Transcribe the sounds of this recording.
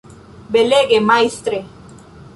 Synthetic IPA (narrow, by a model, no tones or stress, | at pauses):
beleɣemajst̪ɾe